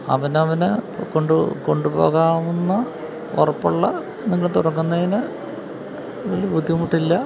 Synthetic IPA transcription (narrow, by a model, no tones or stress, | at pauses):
ɐ̰ʋɐnɐʋɐnɨkoɳɖuko̞ɳɖupo̞̰ːɣaːʋunːɐ | orɐpːuɭːɐ | nːiŋːɐɭet̪uɽɐŋːunːɐðinɨ | ðilbʱud̪ʱːiumuʈːilːɐ